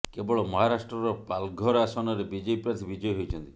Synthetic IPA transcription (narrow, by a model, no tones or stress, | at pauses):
kebɔɭɔmɔɦaɾasʈɾɔɾɔpalɡʱɔɾasɔnɔɾebid͡ʒepɾaɾt̪ʰibid͡ʒɔjɔɦojt͡ʃʰɔnt̪i